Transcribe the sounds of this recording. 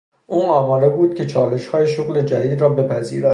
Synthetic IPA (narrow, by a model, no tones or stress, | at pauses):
ʔuːɒːmɒːɾebuːd̪̥̚cʲʰet͡ʃʰɒːle̞ʃhɒːjeʃoɣle̞d͡ʒæd̪iːd̪ɾɒːbe̞pʰæziːɾɒ